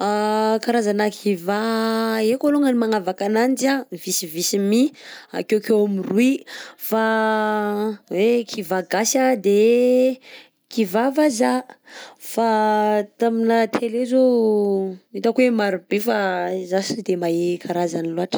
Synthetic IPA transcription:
akaɾazanakʰivaekoluŋənimaŋavakanand͡ʒavisivisimia̰kekewamiruifa | wekʰivaɡasad̪e | kivavaza | fat̪aminat̪ʰelezo | it̪akwemaɾibefazasid̪emaekʰaɾazaniloaʈ͡ʂ

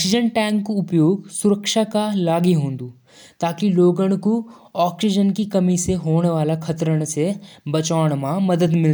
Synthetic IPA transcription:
ksɪd͡ʒənʈɛ̃ːŋkːuʊpjoːɡsʊɾəkʃakalaːɡiɦõːnd̪u | t̪aːkiloːɡəɽ̃ku | ɔːksid͡ʒənkikɐmiseɦoːɽ̃ʋaːlakʰɐt̪ɾəɽ̃sebɐt͡ʃaːʋɽ̃mãmɐd̪əd̪mɪl

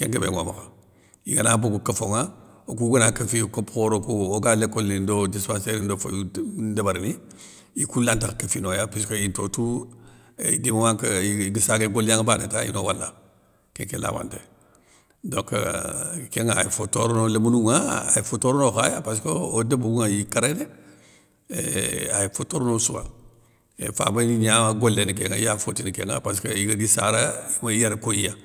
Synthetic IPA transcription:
keŋkəbḛŋo̰ma̰ka | ḭɡanaboɡukəfoŋaokuɡənakəfikopxoɾokuoɡalekolnindodispanseɾindofo̰jdabaɾni | ikulantakakəfinojapaskointotu | idimawaŋkɡəsaɡeɡolaŋbanḛta̰ḭnowala̰ | kḛŋkela̰wa̰ntḛ | doŋkkeŋaajifotoɾnoləmunuŋaajifotoɾnoxajapas̬koodabuuŋajikaɾene | ḛajifotoɾnosuwa̰ | ḛfa̰baiɲaaɡolːenikeŋa̰jafotinikḛŋa̰paskaiɡadisaɾaimajaɾkojija

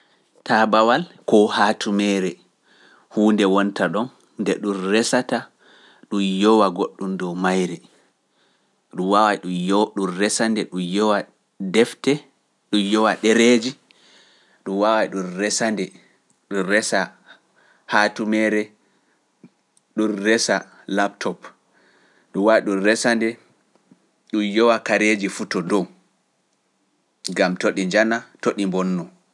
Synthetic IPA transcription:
tabawalkɔhaːtʰumɛːɾɛ | huːndɛwɔntaɗɔnː | dɛɗunrɛsata | ɗumjɔwaɡoɗːumdɔmajɾɛ | ɗuwawajɗuɗunrɛsandɛɗujɔwa | dɛftɛ | ɗujɔwaɗɛɾed͡ʒi | ɗuwawaɗunrɛsandɛ | ɗunɾɛsa | hatumɛɾɛ | ɗunːɛsa | lap̚tʰɔp | ɗuwaɗunrɛsandɛ | ɗujɔwakaɾed͡ʒifutɔdɔw | ɡamtoɗiɲd͡ʒanatoɗimbɔnːɔ

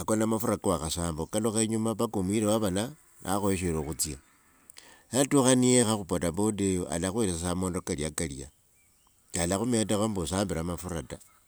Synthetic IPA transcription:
akonamafuɾakawaxasaːmbokaloxaiɲumaβakumwiɾewaβana | na̰xoeʃ̬eɾoxut͡sia | jatuxaniexaxupotabodejoʔa̰laxweɾessamo̞ːndokaliakalḭa̰ | alaxume̞texombusaːmbiɾamafuɾata

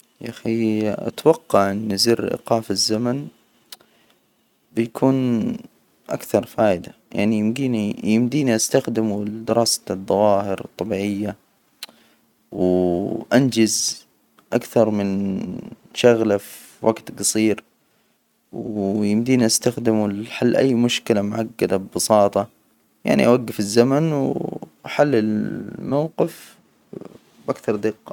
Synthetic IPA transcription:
ʔaxia̰t̪wɑqːɑʕʔɪnːɪzɪɾʔḭqɑːfɪzːaman | bjakʰuːn | ʔa̰kθɑɾˤfaːʔɪd̪aja̰ʕnijɪmɡiːnijɪmd̪iːniʔast̪axd̪ɪmud̪ɪɾʔɑːsḁðˤːɑwɑːhɪɾt̪ˤːɑbiːʕɪjːa | wʔand͡ʒɪz | ʔakθɑɾˤmɪn | ʃaɣlafi | wʔaɡt̪ɡɑsˤiːɾ | wjɪmd̪iːniʔast̪axd̪ɪmuħalːʔa̰jːmʊʃkɪlamʊʕaɡːad̪abɪbɨsˤɑːt̪ˤɑ | ja̰ʕnḭʔawaɡːɪfɪzːamanwʔaħalːɪlmawqɪf | bʔakθɑɾˤd̪ɪqːɑ

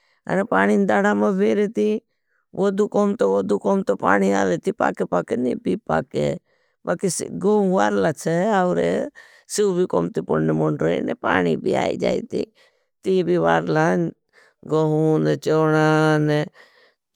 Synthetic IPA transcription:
ə̰nepaːniːnd̪aːɽaːmabeːɾeːt̪i | ʋʔod̪uːkoːmt̪oʋod̪uːkoːmt̪opa̰ːniaːleːt̪iːpa̰ːkepaːkeniːbʱiːpa̰ːkḛ | bakisɡoũʋaːɾlaːt͡ʃʰeaʊɾḛ | siubiːkoːmt̪ipoɽnemoɳɖɾəḭnḛpa̰ːnḭbʱḭa̰ːḭd͡ʒa̰ːḭt̪ḭː | t̪iːbiːʋaːɾlaːn | ɡoɦuːnet͡ʃoːɽane

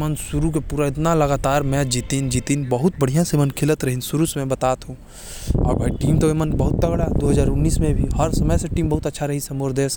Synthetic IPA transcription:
mənsʊɾuk̬epuːɾaɪt̪̬nalɐɡaːt̪aːɾmɛ̃d͡ʒiːt̪ind͡ʒiːt̪inbəɦʊt̪̚bəɽ̤ijãsemənkʰɪlət̪ɾɐɦɪ̃nsʊɾusmẽbɐt̪aːt̪ɦũ | ɔ̰ːɾbʱaːiʈiːmt̪oemənbɐɦʊt̪̚t̪əɡɽad̪oːɦəzaːɾʊnːiːsmẽbʱiɦɐɾsəməjseʈiːmbɐɦʊt̪ɐtːʃʰaɾɐɦisɐmʊɾd̪eːs

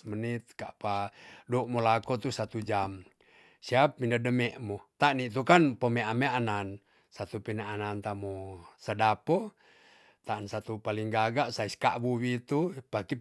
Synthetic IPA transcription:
mənit̪̚ka̰ʔpadɔʔmɔlakɔt̪usat̪ud͡ʒam | siap̚mindadəmɛʔmɔt̪aʔnit̪ukanpɔmeameanan | sat̪upinaanant̪amɔsadapɔ | t̪aːnsat̪upaliŋɡaɡaʔsaiska̰ʔbuwit̪upaki

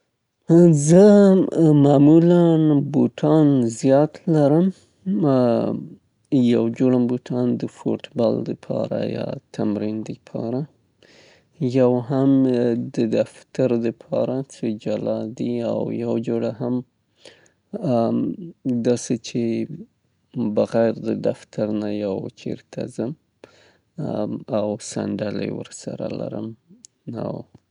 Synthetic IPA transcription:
zə | mɑmulanboʈʰɑnzjɑt̪laɾəm | jawd͡ʒoɽamboʈʰɑnd̪əfo̰ʈbɑld̪əpʰɑ̰ɾa̰jɑ̰t̪ʰamɾind̪əpʰɑ̰ɾa | jawɦamd̪əd̪aft̪aɾd̪əpʰɑ̰ɾat͡səd͡ʒalɑd̪iawjawd͡ʒoɽaɦam | d̪ɑset͡ʃʰe | bəɣajɾd̪əd̪aft̪ʰaɾnajawt͡ʃʰḛɾt̪ʰa̰zəm | awsa̰ɳɖalə̰jwə̰ɾsaɾa̰la̰ɾəm | a̰w

